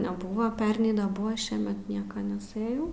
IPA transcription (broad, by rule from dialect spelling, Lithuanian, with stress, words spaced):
nʲɛˈbʊʋɐ ˈpʲɛrʲnʲɛɪ nʲɛˈbʊʋɐ ˈʃʲiɛmʲɛt ˈnʲiɛkɐ nʲɛˈsɘjɛʊ